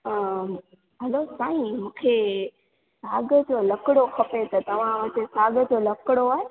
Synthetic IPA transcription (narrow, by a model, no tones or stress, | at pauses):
ɦɐlosaːĩmũːkʰe | saːɡəd͡ʑoːlɐkɪɽoxʰɐpet̪ɐt̪ɐʋ̤ãʋɐt͡ɕesaːɡə̆d͡ʑoːlɐkɪɽoaːɦe